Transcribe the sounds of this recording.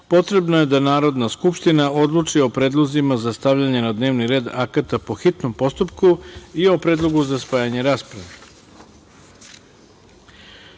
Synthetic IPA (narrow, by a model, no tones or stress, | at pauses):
po̞t̪ɾe̞bnoje̞d̪anaːɾo̞d̪naskupʃt̪inaod̪lˠut͡ʂio̞pɾeːd̪lˠozimazast̪aʋʎaɲe̞nad̪ne̞ːʋniɾe̞ːd̪akat̪apo̞xit̪nompo̞st̪upkuio̞pɾe̞ːd̪lˠo̞ɡuzaspaːjaɲe̞ɾaːspɾaʋe